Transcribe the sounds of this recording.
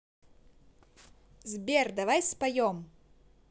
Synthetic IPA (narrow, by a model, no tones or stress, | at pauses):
zbʲerd̪avajspajɔm